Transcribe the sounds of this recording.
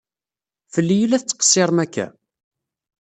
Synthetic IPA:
fəlːijəlæθt͡sːə̥qə̥sˤːɪɾˤmækːæ̰

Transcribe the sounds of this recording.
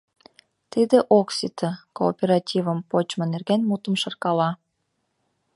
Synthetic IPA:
t̪id̪eʔoksʲit̪ʰəkoːpʲeɾɑtʲivəmpot͡ɕmə̆nerɣænmut̪əmʃə̆rkɑlɑ

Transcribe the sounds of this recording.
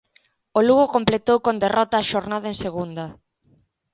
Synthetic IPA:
oluɣokomplet̪owkond̪erɔt̪aːʃoɾnað̞ɐeŋseɣund̪ɐ

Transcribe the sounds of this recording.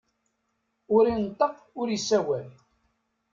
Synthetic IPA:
ʊɾint̪ˤːəq | ʊɾjisːæwæl

